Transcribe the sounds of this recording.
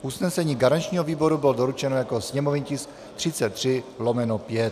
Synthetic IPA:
ʔusnɛsɛɲiːɡaɾant͡ʃɲiːɦoviːbo̞ɾubɪldoɾut͡ʃɛnojakosɲɛmovɪɲcɪs | t̪r̥ɪt͡sɛt̪ːr̥ɪlomɛnopjɛt̪

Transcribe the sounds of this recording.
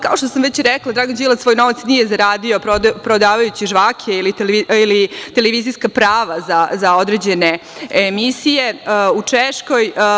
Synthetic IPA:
kao̞ʃt̪osamʋet͡ɕɾɛklˠad̪ɾaːɡond͡ʑilˠat̪so̞ːjno̞ʋat̪snijezaɾaːd̪ioopɾod̪aːʋajut͡ɕiʒʋaːkʰeiliiilit̪eleʋizijskapɾaːʋazazao̞d̪ɾed͡ʑeneemisije̞ut͡ʂeʃko̞j

